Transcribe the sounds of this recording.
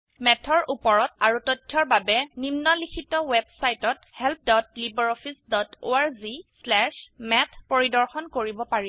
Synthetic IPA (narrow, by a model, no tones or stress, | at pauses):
mɛtʰɔɹʔupɔɹɔtaɹutɔtʰjɔɹbabɛnimnɔlikʰitɔwɛbsajtɔt̚ | hɛlp̚ʰdɔtlibɔɹɔpʰisdɔto̰aɹzislɛʃmɛtʰpoɹidɔɹxɔnkoɹibɔpaɹi